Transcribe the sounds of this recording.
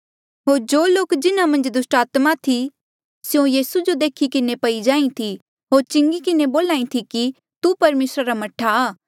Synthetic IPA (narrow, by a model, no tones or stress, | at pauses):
ɦoːɾd͡ʒoːloːkd͡ʒɪnãmɐ̃nd͡ʒd̪ʊsʈaːt̪mat̪ʰi | sjõjiːsud͡ʒod̪eːkʰikɪnepɐid͡ʒãːĩt̪ʰi | ɦoːɾt͡ʃɪ̃ŋɡikɪneboːlaːĩt̪ʰiki | t̪upɐɾmeːsɾaɾamɐʈʰaː